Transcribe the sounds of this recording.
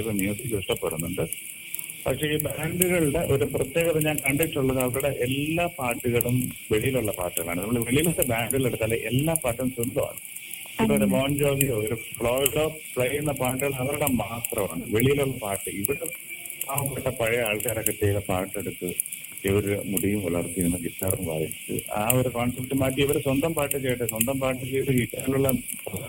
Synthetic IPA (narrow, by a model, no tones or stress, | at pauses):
ʋenjuːsikuʂʈɐpːeɾunːuɳɖɨ | pɐkʂe̞iːbaːɳɖuɣɐɭuɽe̞ʔo̞ɾuprɐt̪je̞ːɣɐt̪ðeɲaːnkɐɳɖeʈːuɭːɐðɐʋɐɾuɽeʔelːaːpaːrʈːiɣɐɭumʋe̞ɭijiluɭːɐpa̰ːrʈːɨɣɐɭa̰ːɳɨnɐmːɐɭʋe̞ɭijilutːebaːɳɖɨɣɐɭeɽut̪ːaːlːeʔelːaːpaːrʈːumsind̪ɐma̰ːɳɨ | kːɐoɾemoːnd͡ʑoːɦioɾufɭoːɖoː | pɭɐjunːɐpaːʈːɨɣɐɭmɐʋɐɾuɽɐmaːt̪rɐma̰ːɳɨ̰ʋeɭijiluɭːɐpaːʈːɨiʋiɽe | aːʋɐpːeʈːɐpɐɻɐaːɭkaːɾɐkɐt̪ːɐjilepaːʈːeɽut̪ːɨ | eʋɐɾumuɽijumɐ̰ɭɐrt̪ːikunːɐɡisarumʋa̰ːjit͡ɕːɨ̰a̰ːoɾukoːnsɐp̚ʈːɨmaːʈ̬ːiiʋɐɾɨswɐnd̪ɐmpaːʈːɨt͡ɕejiʈːɨswɐnd̪ɐmpaːʈːɨt͡ɕejʈːɨkiʈːaːnɐɭuɭːɐ